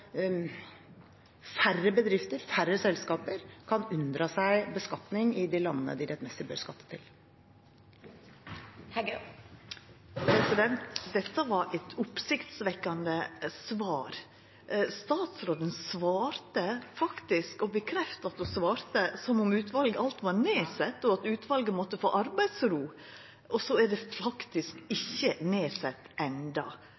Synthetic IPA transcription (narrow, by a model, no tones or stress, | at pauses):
færːəbəd̪ɾɪft̪əɾfærəsɛlskɑːpəɾkʰɑnʉnd̪ɾɑsæɪbəskɑt̪nɪŋɪd̪ɪlɑnːənə̰d̪ɪd̪ɛt̪mɛst̪əbø̰ːɾskɑt̪ːə̥t̪ʰɪ̰l | hæ | pʰɾɛsɪd̪ɛnt̪d̪ɛt̪ːəʋɑɾʔɛt̪ʰʊpsɪkt̪sʋɛkːɑnd̪əsʋɑːɾ | st̪ɑːt̪sɾoːd̪ənsʋɑːɾt̪əfɑkt̪ɪskɔbəkʰɾɛft̪ɑt̪usʋɑːɾt̪əsɔmʊmʉːt̪ʰʋɑlɡəʔɑlt̪ʋɑɾneːsɛt̪ːɔɑt̪ʉːt̪ʋɑlɡəmɔt̪ːəfoːʔɑɾbæɪd̪sɾuː | ʔɔsɔæɖɛfɑkt̪ɪskɪçːəneːsɛt̪ːɛnd̪ɑ